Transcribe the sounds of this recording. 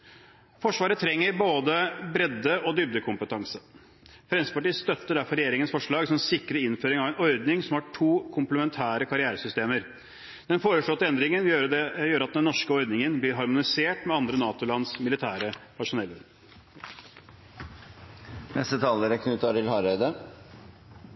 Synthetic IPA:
fɔʂʋɑːɾət̪ʰɾɛŋːəɾboːd̪əbɾɛd̪ːəʔɔd̪ʏp̚d̪əkʰʊmpət̪ʰɑŋsə | fɾɛnsə̥pɑʈiːəst̪œt̪ːəɖæɾfɔɾɛjeːɾɪŋənsfɔʂɭɑːɡsɔmɛnsɪkːɾəɪnføːɾɪŋɑʋɛnɔɾd̪nɪŋsɔmhɑʈʰuːkʰʊmpləmɛnt̪ʰæːɾəkʰɑɾɪæːɾəsʏst̪eːməɾ | d̪̥ɛnfoːɾəʂɭoːt̪ːəɛnd̪ɾɪŋənøəjøːɾɑt̪̚d̪ɛnːɔʂkəɔɾd̪nɪŋənbliːɾɦɑɾmʊnɪseːʈmɛɑnd̪ɾənɑːt̪ʊlɑnsmɪlɪt̪ʰæːɾəpʰɑʂʊnɛlːəɾ | nʔɛst̪ət̪ʰɑːləɾəkʰnʉːt̪ʰɑɾɪlhɑɾəd̪ə

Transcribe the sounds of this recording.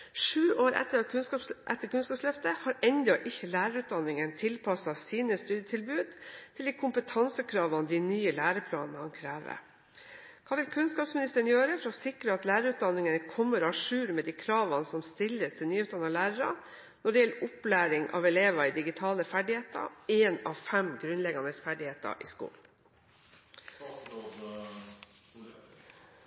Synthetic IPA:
ʂʉːʔoːɾʔɛ̰t̪ːəɾʰɑʔɛt̪ːəkʰʉnskɑːpslœft̪əhɑɾɛnd̪ɔʔɪçːəlæːɾəɾʉːt̪̚d̪ɑnːɪŋənt̪ʰɪlpʰɑsɑsiːnəst̪ʉːd̪jət̪ʰɪlbʉːd̪t̪ʰɪld̪iːkʰʊmpət̪ʰɑnsəkʰɾɑːʋɑnd̪ɪnyːəlæːɾəpʰlɑ̰ːnnəhɑnkʰɾæːʋə̰ | kʰɑːʋɪlkʰʉnskɑːpsmɪnɪst̪əɾəɳnjøːɾəfɾɔsɪkɾəɑt̪læːɾəɾʉːt̪̚d̪ɑnːɪŋənkʰɔmːəɾɔɑʂʉːɾmɛːd̪iːkʰɾɑːʋɑnsɔmst̪ɪlːəst̪ʰɪlnyːʉt̪̚d̪ɑnɑlæːɾəɾɑ̰ | nɔɖɛjɛlːəʔʊplæːɾɪŋʔɑ̰ʋɛleːʋɑɪd̪ɪɡɪt̪ʰɑːləfæɖɪheːt̪ɑ̰eːnɑʋfɛmɡɾʉnlɛɡɑnəsfæɖɪheːt̪ɑ̰ʔɪ̰skṵːln

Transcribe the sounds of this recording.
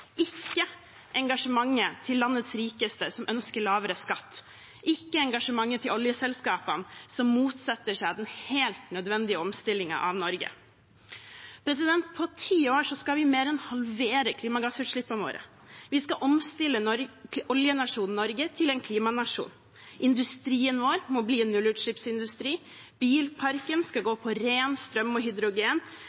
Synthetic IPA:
ʔɪkːə | ʔɛŋɡɑʂəmɑŋːət̪ʰɪlːɑnːət̪sɾiːkəst̪əsɔmʔœnskəɭɑːʋəɾəskɑt̪ː | ʔɪkːəɛŋɡɑʂəmɑŋːət̪ʰɪlɔljəsɛlskɑːpənsɔmːuːt̪sɑt̪ːəʂæɪɑd̪ɛnheːlt̪nœd̪ʋɛnd̪ɪəɔmst̪ɪlːɪŋɑ̰ʔɑ̰ʋnɔɾɡə̰ | pʰɾɛs̬ɪd̪ɛnt̪̚pʰɔt̪ʰiːoːʂɔskɑʋɪmeːɾɛnhɑlʋeːɾəkʰliːmɑɡɑsʉːʈ̪ʂɭɪpːənʋo̰ːɾʔə̰ | ʋɪskɑʔɔmst̪ɪlːəɔɾʔɔljənɑʂuːn̩nɔɾɡət̪ʰɪlɛnkʰliːmɑnɑʂṵːn | ʔɪnd̪ʉst̪ɾiːənʋoːɾmɔbliːnːʉlʉːʈ̪ʂɭɪpsɪnd̪ʉst̪ɾiː | b̥iːlpʰɑɾkənskɑɡoːpʰɔɾeːnst̪ɾœmːɔɦʏd̪ɾʊɡeːn

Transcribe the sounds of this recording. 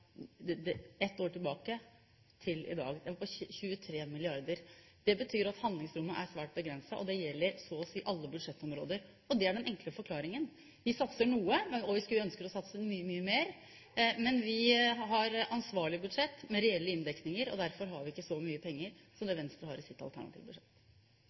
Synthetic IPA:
ɛt̪ːoːʈɪlbɑːkə | t̪ʰɪlɪ̰d̪ɑ̰ːɡɛʋɔpɔçʉːət̪ʰɾeːmɪlɪɑɾd̪əɾ | d̪̥ɛbət̪ʰyːɾɑt̪hɑnd̪lɪŋsɾʊmːəʔæɾsʋæːʈ̚bəɡɾɛnsɑʔɔd̪ɛjɛlːəɾsɔsiːʔɑlːəbʉd̪ʂɛt̪ːɔmɾoːd̪əɾ | ɔd̪ɛæɖɛnʔɛŋkləfɔɾkʰlɑːɾɪŋən | ʋɪsɑt̪səɳuːəɔʋɪskʉlœnskəɾɔsɑt̪səmyːəmyːəmeːɾ | mɛnʋɪɦɑɾɑnsʋɑːɭɪbʉd̪ʂɛt̪ːmɛɾɛɛlːəɪnd̪ɛknɪŋəɾɔ̰d̪æɾfɔɾɦɑɾʋɪɪkːəsɔmyːəpʰɛŋːəɾsɔmd̪ɛʋɛnst̪ɾəhɑɾɪsɪt̪ːɑ̰lt̪ʰæ̰ɳɑ̰t̪ʰḭʋbʉd̪ʂɛt̪ː

